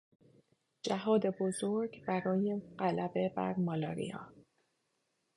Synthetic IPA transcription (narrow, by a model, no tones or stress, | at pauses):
d͡ʒæɦɒːd̪e̞bo̞zo̞ɾɡbæɾɒːje̞ɢælæbe̞bæ̰ɾmɒːlɒːɾḭɒ̰ː